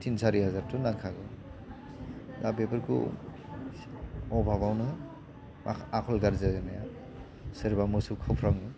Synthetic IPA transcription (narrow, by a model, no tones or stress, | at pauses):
tʰinsaɾiɦazaɾtʰunaŋkʰaɡɔ | dabepɯɾkʰṵ | ɔbʱabawnɯ | aakʰɔlɡaɾzaɡɯnaja | seɾbamɯsukʰawpʰɾawni